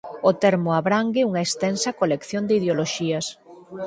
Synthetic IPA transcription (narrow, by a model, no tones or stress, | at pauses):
ot̪ɛɾmoaβɾaŋɡɪuŋɐest̪ɛnsɐkolekθjõnd̪eið̞eoloʃiɐs